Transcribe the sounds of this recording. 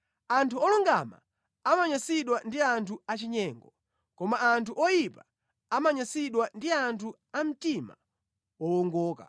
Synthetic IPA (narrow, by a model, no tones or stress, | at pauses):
antʰuɔluŋɡama̰ | amaɲasiɗwandiantʰuat͡ʃiɲɛŋɡɔ | kɔmaːntuʔɔjipa | amaɲasiɗwandiantʰu | am̩tima̰ | wɔwɔŋɡɔːka̰